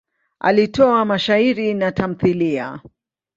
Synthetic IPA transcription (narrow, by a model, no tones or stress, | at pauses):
ʔa̰litɔamaʃaiɾinatam̩θilia̰